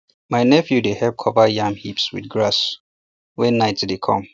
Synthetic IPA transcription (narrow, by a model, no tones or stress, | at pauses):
maɪnɛfjudehɛp̚kʰɔvajãmhipswḭdɡɹas | wɛnaɪtdekʰɔ̰̃m